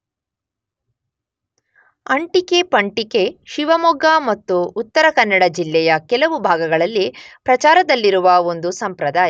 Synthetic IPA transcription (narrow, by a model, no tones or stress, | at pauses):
ɐɳʈike̞pɐɳʈike̞ʃiʋɐmɔɡɐmɐt̪ːuːt̪ːɐɾɐkɐnːɐɽɐd͡ʒilːɛjɐkɛlɐʋubʱaːɡɐɡɐɭɐlːipɾɐt͡ʃaːɾɐd̪ɐlːiɾuʋɐo̞nd̪usɐmpɾɐd̪aːj